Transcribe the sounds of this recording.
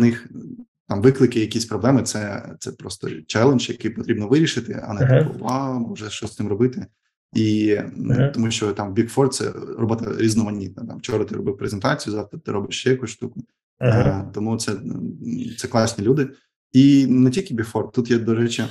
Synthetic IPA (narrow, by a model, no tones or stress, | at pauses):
ɐnɪx | t̪ɑmʋɪklˠɪkɪjɐkʲisʲpɾɔblˠɛmɪt̪sɛt̪sɛpɾɔst̪ɔ̰t͡ʃɛlˠenʒjɐkɪjpɔt̪ɾʲibnɔʋɪɾʲiʃɪt̪ɪ̰ɐ̰nɛt̪ɔ̰ʋawmɔʒɛʃt͡ʃɔsʲt̪ɪmrɔbɪt̪ɪ | i | t̪ɔmuʃt͡ʃɔt̪ɑmbʲikfɔrt̪̚sɛ̰ɾrɔbɪt̪ɐ̰ɾʲiznɔmɐnʲːit̪̚nɐt̪ɑmt͡ʃɔɾɐt̪ɪɾɔ̰bɪwpɾezent̪ɑt͡sʲijʊzɑt̪ɐt̪ɪɾɔbɪʃjɛjɐkusʃt̪ukʊ | t̪ɔmut̪sɛ | t̪sɛklˠɑsʲnʲilʲud̪ɪ | inetʲilʲkʲɪbʲikfɔrt̪t̪ut̪jɛd̪ɔɾɛt͡ʃi